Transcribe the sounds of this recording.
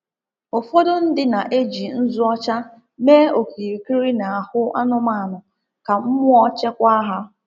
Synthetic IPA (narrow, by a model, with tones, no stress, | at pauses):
ʊ˨fɔ˦dʊ˦n̩˦dɪ˦na˨ʔe˦d͡ʒi˨n̩˦zʊ˦ɔ˦t͡ʃa˦ | meː˦o˨ki˨ki˦ɾi˦na˨a˨hʊ˦a˦nʊ˦ma˨nʊ˨ | ka˨m̩˦mʊ˦ɔ˦t͡ʃɛ˦kʷa˦ɦa˦